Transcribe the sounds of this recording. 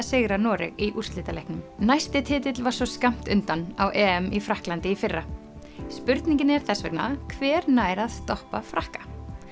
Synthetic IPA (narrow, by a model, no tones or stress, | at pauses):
sɪɣɾanɔːɾɪ̰ɣiʔur̥st̪lɪːt̪alɛjhknʏmnajst̪ɪt̪ʰɪːt̪ɪt̪lvḁsɔskam̥t̪ʏnt̪anawʔɛːɛmifɾahklant̪ɪifɪrːa | spʏɾt̪niɲcɪnɛɾ̥θɛsvɛ̰kna̰kʰvɛːɾnaːjɾað̥st̪ɔhpafɾahkḁ